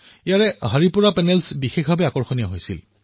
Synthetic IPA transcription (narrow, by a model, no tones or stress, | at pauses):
ijaɹɛɦaɹipuɹapɛnɛlsbixexbʱabɛakɔɹxɔniaɦojsḭl